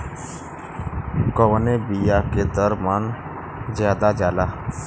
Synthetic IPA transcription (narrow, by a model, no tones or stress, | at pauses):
kəwnebijaːked̪əɾmaːn | zjaːd̪ad͡ʒaːlaː